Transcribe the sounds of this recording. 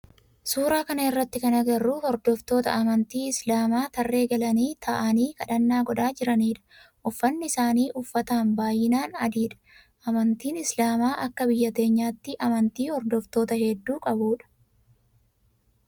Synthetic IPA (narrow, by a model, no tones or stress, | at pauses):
suːɾaːkɐnɐɪrːɐt̪ːɪkɐnɐɡɐrːuːhɔɾd̪ɔft̪o̞ːt̪ɐ̰ʔɐmɐnt̪iːɪslaːmaːt̪ɐrːe̞ːɡɐlɐniːt̪ʰɐʔɐniːkɐᶑɐnːaːɡɔᶑaːd͡ʒɪɾɐniːᶑɐ̥ʔʊfːɐnːɪɪsaːniːʔʊfːɐt̪aːnbaːjːɪnaːnɐd̪iːᶑɐ̥ | ʔɐmɐnt̪iːnɪslaːmaːʔɐkːɐbɪjːɐt̪e̞ːɲːaːt̪ːɪʔɐmɐnt̪iːhɔɾd̪ɔft̪o̞ːt̪ɐhɛd̪ːuːkʼɐbuːᶑɐ̥